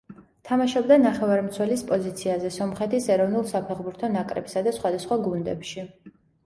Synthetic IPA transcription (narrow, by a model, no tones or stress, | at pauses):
t̪ʰamaʃɔbd̪anaχɛvaɾmt̪sʰwɛlispʼɔzit̪sʰiazɛsɔmχɛt̪ʰisɛɾɔvnulˠsapʰɛʁbuɾt̪ʰɔnakʼɾɛ̰bi̥sad̪asχwad̪asχwaɡund̪ɛ̰pʃi